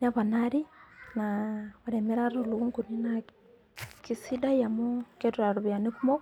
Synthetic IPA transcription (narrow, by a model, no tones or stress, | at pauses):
naβanaɾinaβaɾemeɾaɾoluɣuŋkunina | kisidajamoketuɾaɾuβjanekumo